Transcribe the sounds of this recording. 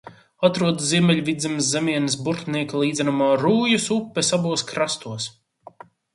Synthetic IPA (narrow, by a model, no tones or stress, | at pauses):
at̪ɾuɔd̪zziɛmʲɛlʲvid̪zɛmszemʲiɛnisbuɾt̪niɛkalˠiːd̪zɛnamaːɾuːjusupːɛsabuɔskɾast̪uɔs